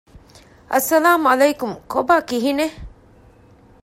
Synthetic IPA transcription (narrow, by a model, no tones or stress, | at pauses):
ʔɐsːɐlaːmuɐlejkumkobaːkiɦine